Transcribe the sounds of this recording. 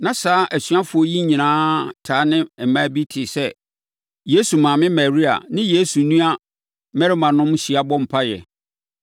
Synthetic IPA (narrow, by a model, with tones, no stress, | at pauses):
nã˦saː˦ʔæ˨ɕɥã˦fʊ˨ɔ˦ji˦ɲĩ˨nãː˦tʰaː˨˦nɪ̃˦˨mã˦bi˦tʰɪ˨sɛ˦ | je˦su˨mãː˨mɪ̃˦ma˨ɾi˦a̰˨nɪ̃˦je˦su˨nũ˦a˦ | mɛ˦ɾɪ˦mã˨nʊ̃˦mɕi˨a˦bɔ̃˦m̩˨pʰa˦jɛ̰˨